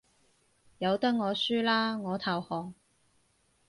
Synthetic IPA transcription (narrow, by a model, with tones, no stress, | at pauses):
jɐ˨˧wt̪ɐ˥k̚ŋɔː˨˧syː˥laː˥ŋɔː˨˧t̪ʰɐ˨whɔː˨ŋ